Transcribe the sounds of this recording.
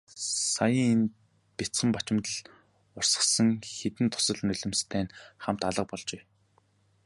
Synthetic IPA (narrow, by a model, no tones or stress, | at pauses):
sajəːŋen | pet͡sə̆mpat͡ɕɪ̆mt̪ə̆ɮ | ʊr̥sə̥̆sə̆ŋxet̪ɘ̆nt̪ʰʊ̥sə̆ɮnɵɮɵ̆mst̪ʰæːnχam̥t̪aɮə̆q̚pɔɮt͡ɕeː